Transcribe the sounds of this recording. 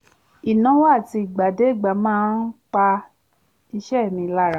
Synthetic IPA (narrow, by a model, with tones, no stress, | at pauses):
i˨nã˨˦wa˦˨ti˧i˨ɡ͡ba˨de˨˦i˦˨ɡ͡ba˨˦mãː˦n˦k͡pa˧ | i˧ʃɛ˦˨mĩ˧la˦ɾã˧˦